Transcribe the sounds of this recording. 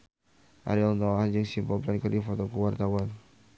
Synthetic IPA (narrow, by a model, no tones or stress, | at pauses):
ʔa̰ɾiɔlnt̪ɔand͡ʒəŋsimpɔlplankərdifɔt̪ɔkuwart̪awan